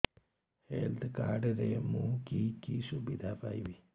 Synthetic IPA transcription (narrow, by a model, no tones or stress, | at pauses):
heːlt̪ɨkaːɖɐɾemuːkikisubid̪ʱafa̰jʋi